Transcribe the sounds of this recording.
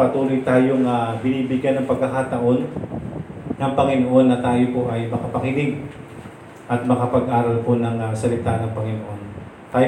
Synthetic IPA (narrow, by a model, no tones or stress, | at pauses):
pɐt̪uːlo̞jt̪aːjo̞ŋabɪniːbɪɡɐnːɐŋpɐɡ̚kːɐkat̪ɐʔo̞n | ɐŋpɐŋɪnoʔo̞nːɐt̪aːjo̞po̞ʔɐjmɐkɐpɐkɪnɪɡ̚ | ʔɐt̪̚mɐkɐpɐɡʔaːɾɐlpo̞nɐŋasɐlɪt̪anɐŋpɐŋɪnoʔo̞n | t̪aːj